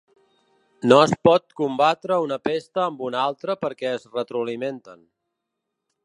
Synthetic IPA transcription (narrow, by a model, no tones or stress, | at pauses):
noəspɔt̪̚kumbat̪ɾəunəpest̪əːmbunalˠt̪ɾəpəɾkɛəzrət̪ɾuliment̪ən